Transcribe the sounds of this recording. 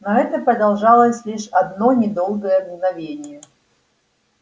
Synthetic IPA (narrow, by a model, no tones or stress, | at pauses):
nɐɛt̪əpɾəd̪ɐlˠʐɑlˠəsʲlʲiʂɐd̪nonʲɪd̪o̞lˠɡəjəd̪ɡnɐvʲenʲɪjə